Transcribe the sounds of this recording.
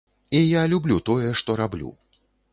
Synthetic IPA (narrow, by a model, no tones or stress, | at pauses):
ijalʲublʲut̪ɔjɛʂt̪ɔɾablʲṵ